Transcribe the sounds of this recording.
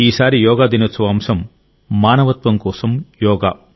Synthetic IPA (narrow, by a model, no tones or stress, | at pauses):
iːsaːɾijɔːɡaːd̪inɐt͡sːɐʋaːmsɐmː | aːnɐʋɐt̪ʋɐmkɔːsɐmjɔːɡa̰ː